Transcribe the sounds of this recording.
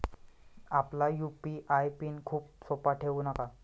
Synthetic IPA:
aplajupiʔajpiːnkʰuːp̚sopaʈʰeʋunaka

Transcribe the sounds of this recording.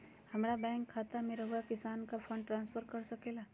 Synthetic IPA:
hɐmɾabɛ̃ːŋkʰːaːt̪ameɾaɦuakɪsaːnkafə̃ɳɖʈɾãːnspʰəɾkɐɾsɐkeːlaː

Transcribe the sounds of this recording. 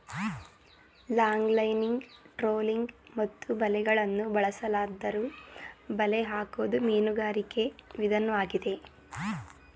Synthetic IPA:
laːŋɡlɐjniŋɡʈɾoːliŋɡmɐt̪ːubɐlɛɡɐɭɐnːubɐɭɐsɐlaːd̪ːɐɾuːbɐleɦaːkoːd̪umeːnuɡaːɾike̞ʋid̪ʱɐnɐʋaːɡid̪e̞

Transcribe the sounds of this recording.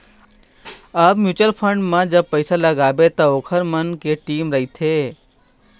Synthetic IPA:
əbmjuːt͡ʃəlpʰəɳɖmãd͡ʒəb̚pəjsaləɡaʋet̪ookʰəɾmənkeʈiːmɾəɦit̪ʰe

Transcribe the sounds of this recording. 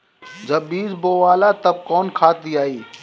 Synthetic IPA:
d͡ʒɐbːiːsboːʋaːlat̪ɐb̚kɔːnkʰaːt̪iaːiː

